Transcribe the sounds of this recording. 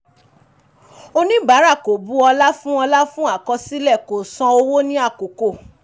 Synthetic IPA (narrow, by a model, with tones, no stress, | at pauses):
o˧nĩ˦ba˨˦ɾa˦˨ko˨bu˨˦ɔ˧la˦fũ˦ɔ˧la˦fũ˦a˦˨kɔ˧si˦lɛ˦˨ko˨sɔ̃˧o˧wo˦nĩ˦a˦˨ko˨ko˨